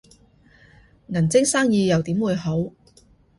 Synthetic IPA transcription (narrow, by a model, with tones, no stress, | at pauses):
ŋɐ˨˩nt͡sɪ˥ŋsaː˥ŋjiː˧jɐ˨wt̪iː˨˥mwuː˨˧jɦo˨˥w